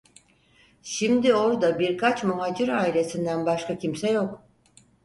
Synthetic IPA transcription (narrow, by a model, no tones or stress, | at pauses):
ʃimd̪io̞ɾd̪abiɾkʰat͡ʃmuɦaːd͡ʒɯɾaːile̞sind̪ænbaʃkʰacʰimsɛjo̞k